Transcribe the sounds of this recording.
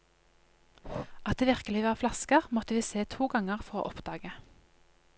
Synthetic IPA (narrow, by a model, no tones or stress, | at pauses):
ʔɑt̪̚eːʋɪʁkəlɪʋɑːflɑskəʁmɔt̪əʋiːseːt̪ʰuːɡɑŋəʁfɔʁo̰ːʔɔpd̪̥ɑːɡə